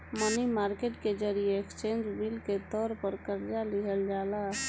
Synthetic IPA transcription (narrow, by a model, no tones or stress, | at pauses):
mənimaɾkeʈked͡ʒəɾijeekst͡ʃẽnd͡ʒbilket̪ɔɾpəɾkəɾd͡ʒaliɦəld͡ʒala